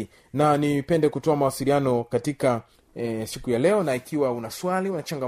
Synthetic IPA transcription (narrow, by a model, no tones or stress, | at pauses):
nanipɛndɛkutɔamawasilianɔkatika | sikujalɛɔnaikiwaunaswaliunat͡ʃaŋɡa